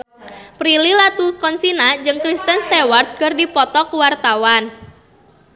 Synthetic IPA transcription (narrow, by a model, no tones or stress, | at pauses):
pɾililat̪ukɔnsinad͡ʒɨŋkɾist̪ənst̪ewart̪̚kərdipɔt̪ɔkəwart̪awan